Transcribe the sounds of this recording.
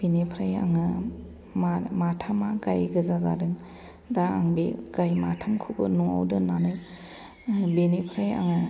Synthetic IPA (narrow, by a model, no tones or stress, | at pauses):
b̥enepʰɾaja̰ŋɯ | mamatʰamaɡajɡɯzaza̰dɯŋ | daːŋbiɡ̥ajmatʰamkʰubɯnuŋa̰wdɯnanɯj | benepʰɾaja̰ŋɯ